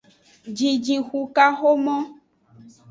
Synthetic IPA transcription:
d͡ʒi˨d͡ʒĩ˨xu˨ka˦xo˦mɔ̃˦

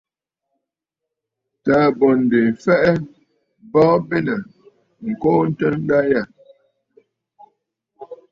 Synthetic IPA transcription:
ta˨˦bɔ˨n̩˨de˨fɛ˦ʔɛ˦ | bɔ˦be˦nə˨ | ŋ̩˨ko˦n̩˦tə˦n̩˦da˦ja˦˨

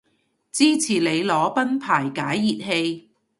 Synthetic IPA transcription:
t͡siː˥t͡sʰiː˨˩le˨˧jlɔː˨˥pɐ˥npʰaː˨˩jkaː˨˥jːiː˨t̚he˧j

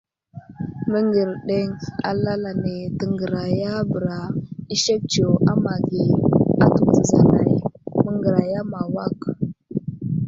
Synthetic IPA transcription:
mə˦ŋɡə˨ɾɗe˦ŋa˦la˦la˨ne˨tə˨ŋɡə˨ɾa˨ja˦bə˨ɾa˨i˦ʃe˦k̚t͡ʃo˨ʔa˦ma˨ɡi˨a˨tu˦zə˨za˨na̰˨jmə˦ŋɡə˨ɾa˨ja˦ma˨wa˦˨k

